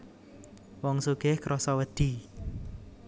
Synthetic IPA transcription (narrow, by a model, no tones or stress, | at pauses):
wɔŋsuɡ̥ehkɾɔsɔwəd̪̥i